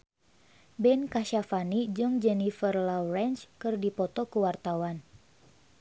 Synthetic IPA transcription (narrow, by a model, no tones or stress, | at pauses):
bɛnkaʃafanid͡ʒɨŋd͡ʒɛnifərlawrɛnt͡ʃkɨrdipɔt̪ɔkəwart̪awan